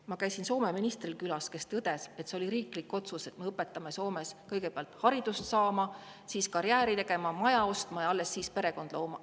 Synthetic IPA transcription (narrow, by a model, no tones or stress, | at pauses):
mɑkæjsinso̞ːme̞minist̪rilkylɑske̞st̪ɤd̪̥e̞se̞t̪se̞o̞lʲiɾiːklikˑːo̞t̪suse̞t̪meɤpːˑe̞t̪ˑːɑme̞so̞ːme̞skɤjɡ̥e̞peɑlt̪hɑɾid̪̥ust̪sɑːmɑ | siːskɑɾjæːɾit̪e̞ɡ̥e̞mɑmɑjɑo̞st̪mɑjɑɑlːe̞sːiːspe̞ɾe̞ko̞nd̪̥lo̞ːmɑ